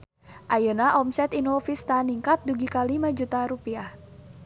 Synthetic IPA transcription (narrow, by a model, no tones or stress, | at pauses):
ʔajənaʔɔmsɛt̪inɔfist̪aniŋkat̪̚duɡikalimad͡ʒut̪aɾupiah